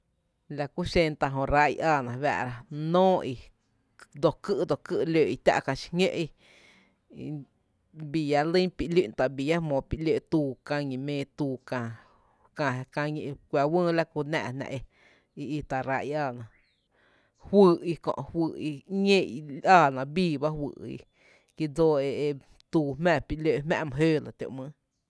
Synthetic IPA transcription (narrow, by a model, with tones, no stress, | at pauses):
la˧˨ku˦ʃẽ˧nt̪a˧ɦõ˧˨ɾa˧ʔjʔaː˧˨nã˨βa̰˧ʔɾa˧nõː˦ʔi˧ | d̪o˧˨kɨ˦˧ʔd̪o˨kɨ˦˧ʔløː˨i˧t̪ʲa̰˦ʔkã˧˨ʃi̥˧ŋḛ̃˦ʔi˧ | bi˧˨ja˧lĩ˦pi˧ʔli˧ʔnt̪a˨bi˨ja˦mõː˨pi˧ʔle˧˨t̪uː˧kã˧ɲĩ˨mẽː˧t̪uː˧kã˨ | kã˧˨ɦkã˧ɲĩ˧ʔkʷa˨wə̃ː˦la˦ku˧nã̰˧˨nã̰˧˨ʔe˧ | i˧i˧t̪a˨ɾa˧˨ʔi˧aː˧˨nã˨ | hwɨ˧ʔi˧kõ̰˧ʔhwɨː˧˨i˧ɲẽ˦ʔi˧ʔaː˧˨nã˨biː˦˨ba˦hwɨ̰ː˧˨ʔḭ˧ | ki˧d͡zoː˦e˧e˧ | t̪uː˧mɛ̃˦˧˨pi˧ʔlø˧˨ʔmɛ̰̃˧ʔmə̃˨ɦeː˦la˨t̪ʲjo̰˧˨ʔmə̃˦